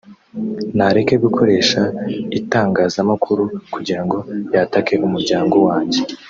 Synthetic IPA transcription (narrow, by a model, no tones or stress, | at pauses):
naɾeke̞βikʰo̞ɾe̞ːʃaitaːŋɡaːzamakʰuɾukuɟiɾaŋɡo̞jatake̞ʔumuɾɟaːŋɡo̞waːɲɟe̞